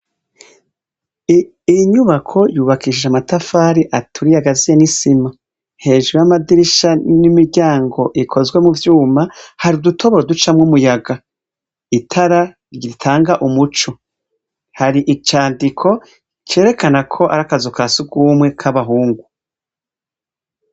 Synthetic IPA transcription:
ijiɲuβakʰo̞juːβakiʃid͡ʒamatafaːɾiʔatʰuɾijaɡazijenisima | he̞ːʒuɾjamadiɾiʃanimiɾɟaːŋɡo̞ʔikʰo̞zɡwe̞muvjuːmahaɾidutʰo̞βoɾodut͡ʃamŋumujaɡa | itʰaɾa | ɾɟiɾitʰaːŋɡaʔumut͡ʃo̞ | haɾiʔit͡ʃaːndikʰo̞ | t͡ʃe̞ːɾe̞kanakʰo̞ʔaɾakazukʰasuɡumwe̞kʰaβaɦuːŋɡu

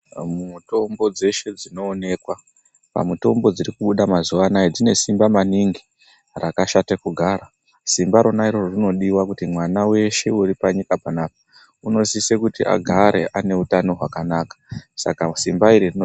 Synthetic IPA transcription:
muto̞mbo̞d͡ze̞ʃe̞d͡zino̞ːne̞kwa | pa̰muto̞mbo̞d͡ziɾikuɓuɗamazuʋanajed͡zine̞simbamaniŋɡi | rakaʃatekuɡʱaɾa | simbaɾo̞naiɾo̞rorino̞ɗiwakutimwanawe̞ʃe̞uɾipaɲikapanaːp̚ḁ | uno̞sisekutiʔa̰ɡʱaɾʔe̞ʔane̞utano̞ɦwakanaːkḁsa̰kasimbaiɾirino

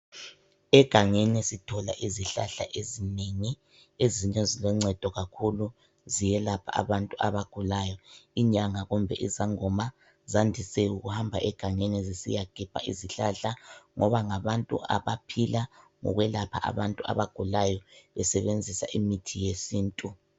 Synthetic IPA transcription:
ɛɡ̥ʱaŋenisitʰɔla̰ʔiziɬa̰ɬa̰ʔezineŋi | eziɲɛzilɛŋ͡ǀɛd̥ʱɔɣakʰulu | zijɛlapʰa̰a̰βantʼuaβaɡ̥ʱulajɔiɲaŋaɣumbʱɛʔizaŋɔma | zandʱisɛuɣuhambʱaʔɛɡ̥ʱaŋenɛzisḭjaɡ̥ʱipʰa̰ʔiziɬaɬaŋɔβaŋaβantʼṵa̰βapʰilaŋɔ̰ɣwɛlapʰa̰ʔa̰βantʼua̰βaɡ̥ʱulajɔβɛsɛβend͡zʱisa̰ʔimitʰijesiːntʼu

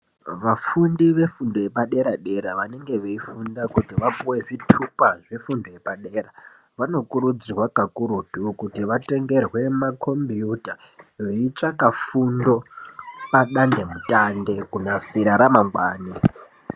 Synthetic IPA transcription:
ʋafundiʋe̞fundo̞je̞paɗe̞ɾaɗe̞ɾaʋane̞ŋɡe̞ʋeifundakutiʋapuwe̞ʐitʰupaʐefundojepaɗe̞ːɾa | ʋano̞kuɾud͡zirwakakuɾutukutiʋate̞ŋɡe̞rwe̞makʰo̞mbijuta | ʐeit͡ʂakafundo̞paɗande̞mutande̞kunasiɾaɾamaŋɡwaːni

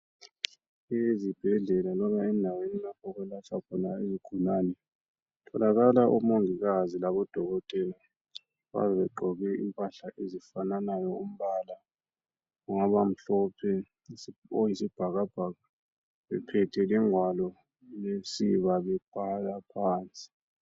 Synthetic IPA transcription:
ezib̥ʱɛɮɛlalɔβaɛndʱawenilakʰɔɣulat͡ʃʰakʰɔnaeziɡ̥ʱunanɛ | tʰɔlaɣalaʔumoŋiɣazilaβɔd̥ʱɔɣɔtʼɛla | βa̰βɛβɛǃʱɔɣɛḭmpʼaɬaʔezifananajɔum̩βala | uŋaβam̩ɬɔpʰɛ | ojisib̥ʱaɣab̥ʱaɣa | βɛ̰pʰɛtʰɛlɛŋwalɔ | lesiβaβɛb̥ʱalapʰaːnt͡sʼi̥

